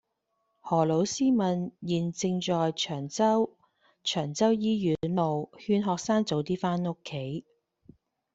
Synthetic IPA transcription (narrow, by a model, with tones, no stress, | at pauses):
hɔː˨˩lo˨˥wsiː˥mɐ˨njiː˨˩nt͡sɪ˧ŋt͡ʃɔː˨jt͡ʃʰœː˨˩ŋt͡sɐ˥w | t͡ʃʰœː˨˩ŋt͡sɐ˥wjiː˥jyː˨˥nlo˨whyː˧nɦɔː˧k̚saː˥ŋt͡so˨wt̪iː˥faː˥nʊ˥kʰːe˨˥j